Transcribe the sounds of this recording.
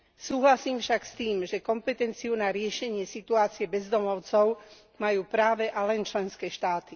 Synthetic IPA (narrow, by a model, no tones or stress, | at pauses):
suːɦlasiːmfʃakst̪iːmʒɛkɔmpɛt̪ɛnt͡siunaɾɪɛʃɛɲɪɛsit̪uaːt͡siɛbɛzd̪ɔmɔʊt͡sɔʊ | majuːpɾaːʋɛʔalɛnt͡ʃlɛnskɛːʃt̪aːt̪i